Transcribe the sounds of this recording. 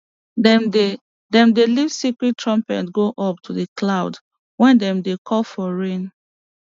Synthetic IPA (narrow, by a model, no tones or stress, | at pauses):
dɛ̃mdelivsikɹittːɹɔ̃mpɛ̰tɡoʔɔp̚tʰuðəklaʊd | wɛ̃ndɛ̃mdekʰɔlfɔɹẽn